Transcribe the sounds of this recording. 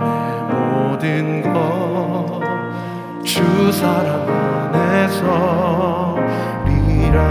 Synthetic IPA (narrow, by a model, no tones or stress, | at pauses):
e | mɔdɯnɡʌ | t͡ɕusʰaɾamanesʰʌ | ɾiɾa